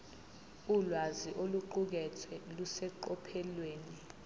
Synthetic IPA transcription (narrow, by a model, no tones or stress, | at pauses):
ulwaziʔoluǃuk̬ɛt͡sʰwɛlusɛǃɔpʰɛlweːni